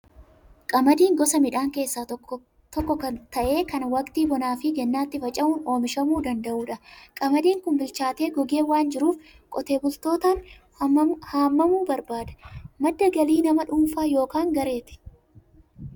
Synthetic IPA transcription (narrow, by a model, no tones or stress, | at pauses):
kʼɐmɐd̪iːŋɡɔsɐmɪᶑaːŋke̞ːsːaː | t̪ɔkːɔkɐnt̪ɐʔe̞ːkɐnwɐkt̪iːbɔnaːfɪd͡ʒɛnːaːt̪ːɪfɐt͡ʃʼɐmuːno̞ːmɪʃɐmuːd̪ɐnd̪ɐʔuːᶑɐkʼɐmɐd̪iːŋkʊmbɪlt͡ʃaːt̪e̞ːɡɔɡe̞ːwaːnd͡ʒɪɾuːf | kʼɔt̪e̞ːbʊlt̪o̞ːt̪aːn | haːmːɐmuːbɐɾbaːd̪ɐ̥mɐd̪ːɐɡɐliːnɐmɐᶑʊːmfaːjo̞ːkaːŋɡɐɾe̞ːt̪ɪ̥